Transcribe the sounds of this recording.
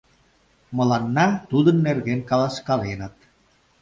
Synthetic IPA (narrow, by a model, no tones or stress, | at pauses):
məlanːat̪ud̪ənːerɣenkɑlaskɑlenat̪